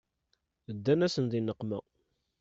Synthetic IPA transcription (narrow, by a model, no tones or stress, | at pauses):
əd̪ːænæsənðinːəqːmæ